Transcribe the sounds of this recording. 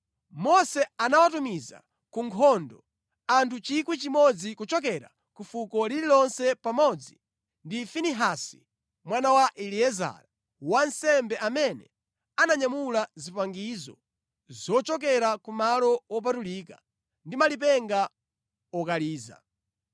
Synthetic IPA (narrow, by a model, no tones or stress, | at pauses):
mɔsɛanawatumiza̰ | kuŋkʰɔndɔ | antʰut͡ʃikwit͡ʃimɔd͡zikut͡ʃɔk̬ɛɾa̰ | kufukɔliɾilɔnsɛpamɔd͡zi | ndifiniɦasi̥ | mwanawaʔiliɛza̰ɾa | wansɛmbɛʔamɛnɛ | anaɲamulazipaŋɡizɔ̰ | zɔt͡ʃɔk̬ɛɾakumalɔwɔp̬atuliːka | ndimalip̬ɛŋɡa | ɔkaliːza̰